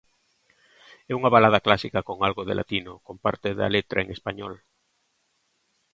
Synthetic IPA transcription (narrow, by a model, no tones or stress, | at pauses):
euŋaβalað̞aklasikakoŋalɣoðelʔa̰t̪inokompaɾt̪eða̰let̪ɾaeŋespaɲɔl